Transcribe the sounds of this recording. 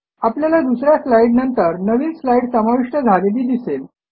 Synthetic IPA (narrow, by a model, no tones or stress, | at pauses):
apljalad̪usɾjaslaiɖnənt̪əɾnəʋiːnslaiɽsəmaʋiʂʈəd͡zʱaled̪iːd̪isel